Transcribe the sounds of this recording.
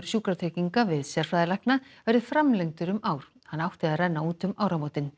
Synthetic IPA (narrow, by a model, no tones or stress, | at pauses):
ɾ̥sjuːkɾat̪ʰeːciŋkavɪðsjɛɾ̥fɾaːðɪlahknavɛɾðɪ̥fɾamlejŋt̪ʏɾʏmaːwɾ̥ | hanːawht̪ɪaðrɛnːauːt̪ʏmaːwɾamoːwt̪ɪn